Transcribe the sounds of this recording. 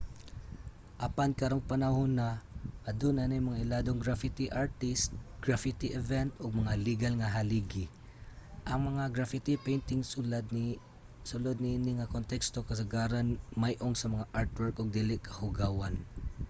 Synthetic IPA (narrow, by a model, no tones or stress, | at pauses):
ʔɐpankɐɾoŋpɐnahonaɐd̪onanajmɐŋaʔɪlad̪oŋɡɾafɪt̪iʔaɹt̪ɪst̪̚ɡ̥ɹafɪt̪iʔɛvɛnt̪ʔʊɡ̚mɐŋaliɡalŋaɦaliɡɪ | ʔɐŋmɐŋaɡɹafɪt̪ipɛjnt̪ɪŋsd̪ | sʊlod̪̚nɪinɪŋakont̪ɛkst̪okɐsɐɡaɾanmajʔoŋsɐmɐŋaʔaɹt̪wɛɹkʔʊɡ̚d̪ilɪkʰɐ̥hʊɡawan